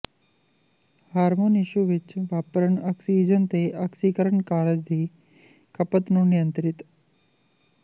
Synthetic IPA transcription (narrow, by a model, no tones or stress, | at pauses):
haːɾmoniɕuʋit͡ʃʋapɾəɳaksid͡ʑənt̪eːʔaksikəɾəɳkaːɾəd͡ʑd̪ʱiː | kɐpət̪nunijənt̪ɾit̪